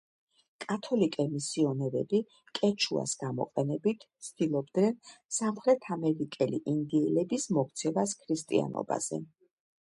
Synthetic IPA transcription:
kʼat̪ʰɔlikʼɛmisiɔnɛɾɛbi | kʼɛt͡ʃʰua̰sɡ̥amɔ̰qʼɛnɛbit̪ʰsʰt̪ʰilˠɔbd̪nɛnsamχɾɛt̪ʰamɛɾikʼɛliʔind̪iɛlɛbismɔkʰt̪sʰɛvaskʰɾist̪ʼḭa̰nɔ̰ba̰z̥ɛ̰

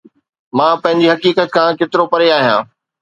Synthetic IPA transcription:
mãːpɐ̃ɦɪ̃ɲd͡ʑiɦɐkiːkət̪̚kʰãːket̪ɪɾopɐɾeaːɦijã̰ː

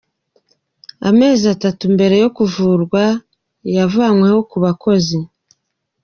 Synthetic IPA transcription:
a̰me̞ːziatatumbe̞ɾe̞jo̞kuvuːɾɡwa | javaːŋwe̞ho̞kuβako̞zi

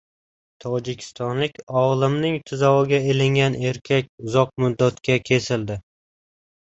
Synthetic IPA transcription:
t̪ʰɒd͡ʒɪkʲʰɪ̥st̪ɒnlɪkʲɒʁlˠɪmnɪŋt̪ʰɪzawɪɡʲaelɪŋɡʲane̞ɾkʲʰak̚ʲʊzɒq̚mʊd̪ːat̪kʲakʲʰe̞sɪld̪ɪ

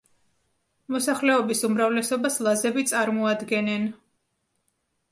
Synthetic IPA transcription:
mɔsaχlɛɔbisumɾavlɛsɔbaslˠazɛbit̪sʼaɾmɔad̪ɡɛnɛn

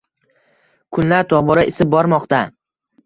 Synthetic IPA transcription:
kʰʊnlaɾt̪ʰɒbɒɾaɪsɪp̚bɒɾmɒqt̪a

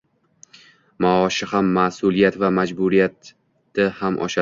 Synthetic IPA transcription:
maɒʃɪhamːasʊlˠijat̪vamad͡ʒbʊɾijat̪ː | ɪhamʔɒ̰ʃa

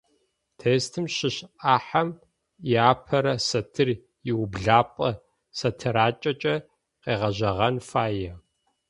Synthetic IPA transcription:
tʰeːstʰɨmʃɪɕʔaːħam | jaːpʰɐɾɐsɐtʰɨr | jɪwʊbɮaːpʼɐ | sɐtʰɨɾaːt͡ʃʼɐt͡ʃʼɐ | qeːʁɐʑɐʁɐnfaːjɛ

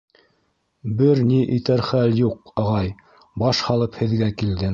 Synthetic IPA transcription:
bɘɾniʔit̪æɾχæljuqɑʁɑj | bɑʃhɑlˠɤphɘ̆ðɡækild̪ɘ

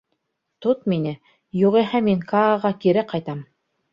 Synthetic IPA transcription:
t̪ot̪̚minɘ | juʁiɦæmiŋkɑːʁɑkiɾɘqɑjt̪ɑm

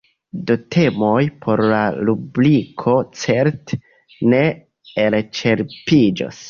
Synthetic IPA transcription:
do̞tʰe̞mo̞jpʰo̞ɾlalublikʰo̞t͡se̞ɾt | ne̞ | elt͡ʃe̞ɾpid͡ʒo̰s

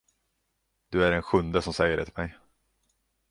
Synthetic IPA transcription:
d̪ɵæɾɛnɧɵnd̪əsɔmsɛjːəɖɛt̪ʰɪlmɛj

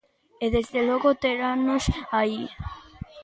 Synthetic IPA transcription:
eðezðeloɣot̪eɾanosai

